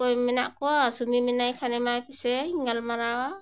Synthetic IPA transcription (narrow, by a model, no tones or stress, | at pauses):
kojmina̰ʔkuasumiminajkʰanemajpiseŋalmaɾawa